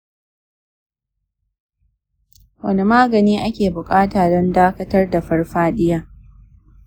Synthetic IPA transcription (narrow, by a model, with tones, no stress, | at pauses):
wɐ̰˦ni˦maː˦ɡɐ˨niː˦ʔa˦kʲeː˨bʊ˨kʼaː˦taː˨dɔ˦ndaː˦kɐ˦tɐ˦rda˨ɸɐ˦rɸaː˦ɗɪ˦jaː˦